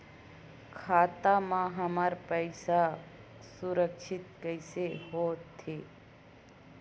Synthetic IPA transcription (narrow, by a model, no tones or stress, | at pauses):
kʰaːt̪amãɦəmaɾpəɪsa | suɾəkʃɪt̪̚kəsehoːt̪ʰːeː